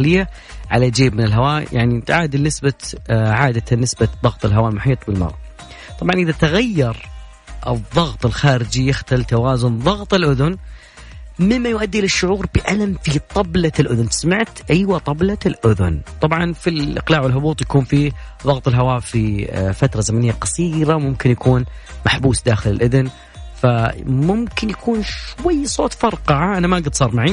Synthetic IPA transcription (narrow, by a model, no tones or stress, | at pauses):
alɪjːa | ʕalad͡ʒeːbmɪnɪlɦawaːjaʕniʕaːd̪inɪsbaʕaːd̪anːɪsbaðˤɑɣt̪ˤɪlɦawaːlmʊħiːt̪ˤbɪlmɑ̰ɾˤʔɑ̰ | t̪ˤɑbʕɑnʔɪðat̪aɣajːɑɾˤ | ʔɨðˤːɑɣt̪ˤɪlxaːɾɪd͡ʒijɪxt̪alt̪awaːzʊnðˤɑɣt̪ˤɨlʔʊðʊn | mɪmmːajʊʔad̪ːiʔlɪʃːʊʕuːɾbɪʔalamfit̪ˤɑblalʔʊðʊnsamaʕt̪ʔajwat̪ˤɑblalʔʊðʊ̰nt̪ˤɑbʕɑnfilʔɪ̰qlaːʕwɪlɦʊbuːt̪ˤjakuːnfiðˤɑɣt̪ˤɨlɦawaːfifat̪ɾˤɑzamanɪjːaqɑsˤiːɾamʊmkɪnjakʰuːnmaħbuːsd̪aːxɪlɪlʔɪðn | famʊmkɪnjakʰuːnʃwajːsˤoːt̪ˤfɑɾˤqɑʕaʔanamaʔaɡɪd̪sˤɑːɾˤmaʕi